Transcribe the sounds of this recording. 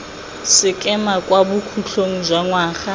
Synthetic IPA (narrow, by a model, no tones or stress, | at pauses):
sɪkʼɛmakʼwabukʰuɬoŋ̩zwaŋwaːxa